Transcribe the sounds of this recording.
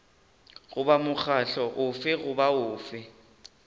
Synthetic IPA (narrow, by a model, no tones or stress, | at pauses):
ɣʊbamʊk͡xʰaɬɔʔʊfɪɣʊbaʊːfɪ